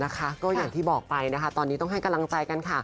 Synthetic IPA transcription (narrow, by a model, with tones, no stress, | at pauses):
na˦˥kʰa˦˥kɔː˥˩jaː˨˩ŋt̪ʰiː˥˩bɔː˨˩k̚pa˧jna˦˥kʰa˦˥t̪ɔː˧nːi˦˥t̪ɔ˥˩ŋɦa˥˩jka˧mla˧ŋt͡ɕaː˧jka˧nkʰa˥˩